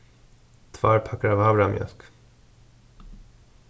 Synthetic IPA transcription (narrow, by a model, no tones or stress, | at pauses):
t̪ʰvaːɾpʰakːaɾavaːbɾamjœ̰sk